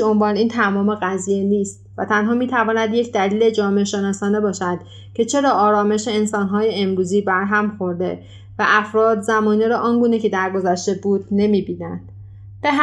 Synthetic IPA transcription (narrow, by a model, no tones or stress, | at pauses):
ombɒːniːnt̪ʰæmɒːme̞ɣæziːjeniːst̪̚væt̪ʰænɦɒːmiːt̪ʰævɒːnæd̪je̞cʰd̪æliːle̞d͡ʒɒːmeeʃe̞nɒːsɒːne̞bɒːʃæd̪̥ | cʰe̞t͡ʃʰe̞ɾɒːɒːɾɒːme̞ʃeːnsɒːnɦɒːje̞emɾuːziːbæɾɦæmxo̞ɾd̪e̞̰ | væʔæfɾɒːd̪zæmɒːniɾɒːʔɒːnɡuːnecʰe̞d̪æɾɡo̞zæʃt̪e̞buːd̪ne̞miːbiːnæ̰nd̪̥ | b̥eɦ